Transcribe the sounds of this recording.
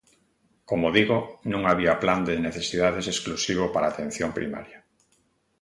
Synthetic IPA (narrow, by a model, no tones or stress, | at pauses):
komoðiɣonũŋaβiapland̪eneθesiðaðesesklusiβ̞opaɾaːt̪ẽn̟θjompɾḭma̰ɾja